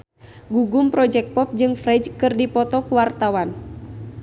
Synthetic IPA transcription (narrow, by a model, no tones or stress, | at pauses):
ɡuɡumpɾɔd͡ʒɛk̚pɔp̚d͡ʒɨŋfɾɛd͡ʒkɨrdipɔt̪ɔkuwart̪awan